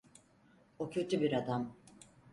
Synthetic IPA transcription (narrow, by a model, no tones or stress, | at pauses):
ocʰø̞t̪ʰybiɾad̪am